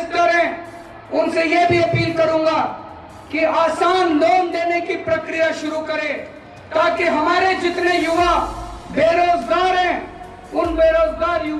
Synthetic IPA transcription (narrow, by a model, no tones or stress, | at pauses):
st̪əɾɛ̃ | ʊnsejebʱiɐpiːlkəɾũːŋɡa | kiaːsaːnlɔːmd̪eːnekipɾəkɾijaʃʊɾukɐɾẽː | t̪aːkiɦɐmaːɾed͡ʒɪt̪nejʊʋabeːɾoːd͡ʒɡaːɾɦɛ̃ː | ʊnbeːɾoːd͡ʒɡaːɾjʊ